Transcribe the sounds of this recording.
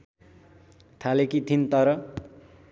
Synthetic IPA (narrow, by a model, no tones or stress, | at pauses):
t̪ʰalekit̪ʰint̪ʌɾʌ